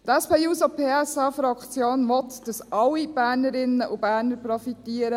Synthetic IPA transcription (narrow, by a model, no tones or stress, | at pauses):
t̪ɛspeːjuːsopʰeːɛsɑːfɾɑkt͡sjoːnʋɔt̪d̥əsʔɑwːib̥æːɾnəɾɪnːəʔubæːɾnəɾpɾɔfit̪iːəɾə